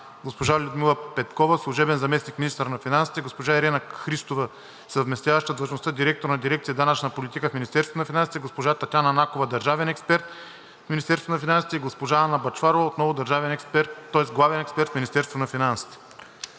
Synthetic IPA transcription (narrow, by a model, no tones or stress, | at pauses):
ɡospoʒalʲʊd̪milˠəpɛt̪kɔvəslˠʊʒɛbɛnzɐmɛsnikmʲinist̪ɾnɐfinansi̥t̪ɛɡospoʒaɛɾɛnɐxɾist̪ovə | səvmɛst̪ʲjavɐʃt̪əd̪vˠɐʒnost̪ad̪iɾɛk̚t̪oɾnɐd̪iɾɛk̚t̪siəd̪anət͡ʃnəpolʲit̪ikəfminist̪ɛɾst̪vonɐfʲinansit̪ɛɡospoʒat̪ɐt̪ʲjanɐnakovəd̪ɐɾʒavɛnɛkspɛɾt̪ | fmʲinist̪ɛɾst̪voonɐfinansi̥t̪ɛiɡospoʒaːnɐbɐt͡ʃfaɾovəot̪nɔvʊd̪ɐɾʒavɛnɛkspɛɾt̪ːɔɛsɡlˠavɛnɛkspɛɾt̪mʲinist̪ɛɾst̪vonɐfinansi̥t̪ɛ̥